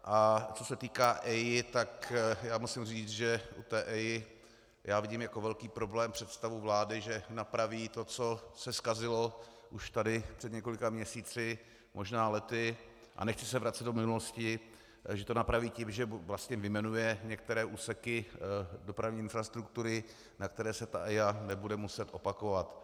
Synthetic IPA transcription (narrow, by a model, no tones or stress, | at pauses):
ʔat͡so̞sɛt̪iːkaːʔɛjɪt̪akjaːmusɪmriːt͡sʒɛʔṵt̪ɛːʔɛjɪ | jaːvɪɟimjako̞vɛlkiːpɾo̞blɛːmpr̝̥ɛt̪st̪avuvlaːdɪʒɛnapɾaviːt̪o̞t͡sosɛskazɪlo̞ | ʔuʃt̪adɪpr̥ɛd̪ɲɛko̞lɪkamɲɛsiːt͡sɪ | mʔoʒnaːlɛt̪ɪ | ʔa̰nɛxt͡sɪ̥sɛvɾat̪t͡sɛd̪omɪnuloscɪ | ʒɛt̪o̞napɾaviːcɪmʒɛvlast̪ɲɛvɪmɛnujɛɲɛk̚t̪ɛɾɛːʔuːsɛkɪdo̞pɾavɲiːɪnfɾast̪ɾukt̪uɾɪ | nak̚t̪ɛɾɛːsɛt̪aʔɛjanɛbudɛmusɛt̪ʔo̞pakovat̪